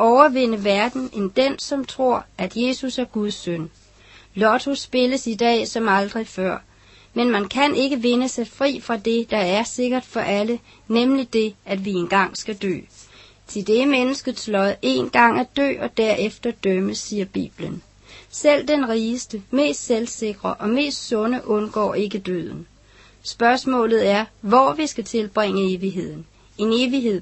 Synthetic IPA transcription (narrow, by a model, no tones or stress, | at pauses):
ʔɒʊɐʋe̝n̰əʋæɐd̥n̩ʔe̝nd̥ensɒ̽mt͡sʰʁo̝ɐ̰ʔæd̥je̝ːsusæɐɡ̥uðˠsœn | lɒt͡sʰosb̥e̝ləsid̥ɛ̰ːsɒ̽mɑ̈ld̥ʁifɶɐ̰ | menmænkʰænʔe̝ɡ̥əʋe̝nəsɑ̈ɪfʁḭːfʁɑ̈d̥e̝d̥ɑ̈æɐse̝ɡ̥ɐd̥fɒ̽ʔælə | nemlid̥e̝ʔæd̥ʋie̝nɡ̥ɑ̈ŋ̰sɡ̥æd̥ø̰ː | t͡sʰe̝ld̥e̝menəsɡ̥ət͡sʰlɒ̽ðˠe̝ːnɡ̥ɑ̈ŋ̰æd̥ø̰ːɒ̽d̥æɐ̰ʔefd̥ɐd̥øməsiːɐb̥ḭːb̥lən | sel̰d̥enʁiːsd̥əme̝̰ːsd̥selse̝ɡ̥ʁɐʔɒ̽me̝̰ːsd̥sɔ̽nəʔɔ̽nɡ̥ɒ̰ːe̝ɡ̥əd̥ø̰ð̞̰ˠn̩ | sb̥ɶɐsmɔ̰̽ːlð̩ˠæɐʋɒʋisɡ̥æt͡sʰe̝lb̥ʁeŋ̰əe̝ːʋiɦe̝ð̰ˠn̩ | e̝neːʋiɦe̝ð̰ˠ